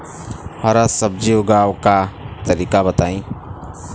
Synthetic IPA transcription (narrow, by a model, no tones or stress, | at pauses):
haːɾasəb̚d͡ʒioɡaːwkat̪əɾiːkabət̪aːĩː